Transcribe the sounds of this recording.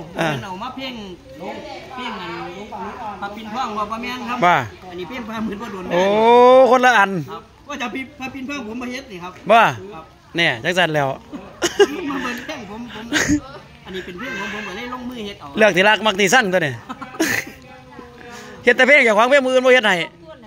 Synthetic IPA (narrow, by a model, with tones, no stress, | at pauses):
ʔaː˧˨˧nʔa˨˩maː˧˥˨pʰe˧˩ŋ˧ | pʰe˧˩ŋa˨˩nʰ˨˧a˧pi˧np̪ʰɔː˧˩˨ŋhu˧˨pɔː˧˦mɛ˧˨nkʰa˧˥bɔː˧˩ʔa˨nːiː˧˩pʰeː˧˩˨ŋpʰaː˧˩˨m˧˨a˧˨nbɔː˧˨du˨˦˨ʔoː˨˧˦kʰo˧˥nla˧ʔa˨˩n | bɔː˧˨t͡ɕa˨˧˦pʰi˧pʰaː˧˥˨pi˧˦npʰaː˧˥˨pʰo˧˦mbɔː˧˨ɦe˧˥t̪̚niː˧˩kʰa˧˥p̚bɔː˧˩˧ | nɛː˧˩t͡ɕa˧˥ŋsa˧˩˨nlɛː˧˩w | maː˧˨pːnʰ˧ɛː˧˥˩ŋpʰo˨˧˦mpʰo˧˦m | ʔa˧˨nːiː˧pe˨npʰeː˧˩ŋpʰo˧˦pʰo˧˦ma˧la˧˥˨jlo˧˨ŋmɯː˧˩he˧t̪̚lɯ˧˩ək̚t̪ʰiː˧la˧˩k̚ma˧k̚t̪ʰiː˧˩sa˧˥˩ŋt̪ʰːni˧˩ | he˧t̪̚ːɛː˧pʰeː˧˥˩ŋt͡ɕa˧˩kwaː˧˥ŋpʰe˧˥˨ŋmɯː˧˨nbɔː˧˨he˧t̪̚ha˧˨˩j